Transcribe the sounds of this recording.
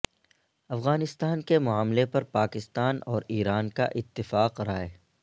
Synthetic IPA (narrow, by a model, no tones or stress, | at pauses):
ɐfɣaːnɪst̪aːnkemʊaːmlepɐɾpaːkɪst̪aːnɔːɾiːɾaːnka̰ʔɪt̪ːɪfaːqɾaːeː